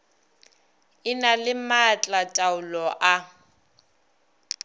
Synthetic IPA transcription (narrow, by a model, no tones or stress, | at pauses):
ɪnalɪmat͡ɬʼatʼaʊlɔʔa